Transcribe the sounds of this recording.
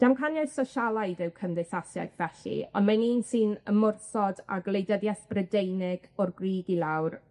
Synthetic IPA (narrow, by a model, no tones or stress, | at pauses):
d̥amkʰanjasɔʃalˠajdɪwkʰənðɪsasja̰jɡvɛɬḭɔ̰nmaniːnsɨnəmʊrθɔda̰ɡlˠejdəðjɛθb̥rədejnɪɡ̥ɔrɡriːɡilˠawr